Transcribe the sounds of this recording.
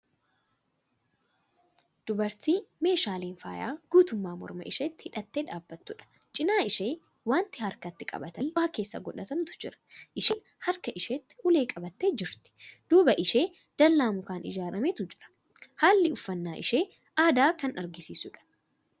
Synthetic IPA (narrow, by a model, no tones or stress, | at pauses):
d̪̥ʊbɐɾt̪iːme̞ːʃaːliːnfaːja̰ːɡ̥uːt̪ʊmːaːmɔ̰ɾmɐ̰ʔɪʃeːt̪ːɪhɪᶑɐt̪ːeːᶑaːbːɐt̪ːʊᶑɐ̥t͡ʃʼɪnaːɪʃeː | waːnt̪ɪhɐɾkɐt̪ːɪkʼɐ̰bɐt̪ɐwaːke̞ːsːɐ̰ɡɔᶑɐt̪ɐmt̪ʊ̥d͡ʒɪɾɐ̥ʔɪʃɪn | hɐɾkɐʔɪʃeːt̪ːɪ̥ʊle̞ːkʼɐbɐt̪ːeːd͡ʒɪɾt̪ɪ̥d̪̥uːbɐʔɪʃe̞ː | d̪̥ɐlːaːmʊkaːnɪ̰d͡ʒaːɾɐmeːt̪ʊd͡ʒɪ̥ɾɐ̥ | haːlːɪʊfːɐnːaːʔɪ̰ʃe̞ː | ʔaːd̪aːkɐnɐɾɡɪsiːsʊᶑɐ̥